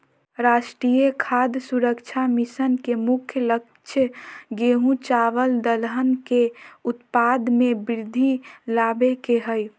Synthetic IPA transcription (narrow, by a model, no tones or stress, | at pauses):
ɾaːʃʈɾijekʰaːd̪suɾəkt͡ʃʰamisənkemʊkʰjələk | t͡ʃʰjəɡeːɦũt͡ʃaːʋəld̪əlɦənkeʊt̪paːd̪mẽbɪɾɪd̪ʱːilaːbekeɦəj